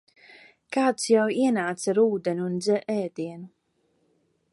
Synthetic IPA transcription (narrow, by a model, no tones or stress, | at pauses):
kaːt̪sjawiɛnaːt̪saɾuːd̪ɛnunzɛʔɛːd̪iɛnu